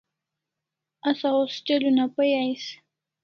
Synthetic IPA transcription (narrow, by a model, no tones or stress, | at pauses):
asaʊst͡ʃelʊnapajajs